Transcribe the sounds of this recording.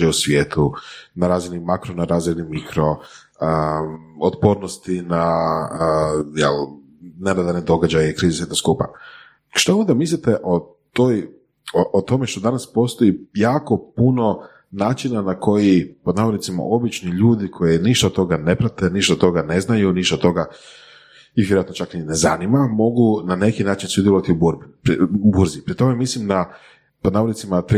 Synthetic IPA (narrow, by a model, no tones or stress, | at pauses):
eusʋʲjeːt̪ʰunaɾaːzinimakɾonaɾaːzɾed̪nimikɾo̞ | əot̪po̞ːɾnost̪ina | jɛ̰l | nenad̪aned̪o̞ɡad͡ʒajekɾiːzesjet̪noskuːpa̰ | ʃt̪aond̪amislit̪eʔo | t̪oj | oʔot̪o̞meʃt̪od̪anaspo̞st̪ojijaːko̞puno̞ | naːt͡ʃinanakʰo̞jipod̪naːʋoit̪sima̰ʔo̞bit͡ʃniʎuːd̪ikʰo̞jiniʃt̪at̪o̞ɡane̞pɾat̪eniʃt̪at̪o̞ɡane̞znajuniʃt̪at̪o̞ɡa | iʋjeɾoat̪not͡ʃaknineza̰nimamo̞ɡunane̞kinaːt͡ʃinsud̪jeloʋat̪iubuɾbiɾubuɾzipɾit̪o̞memislimd̪a | pod̪naːʋolit̪simat̪ɾ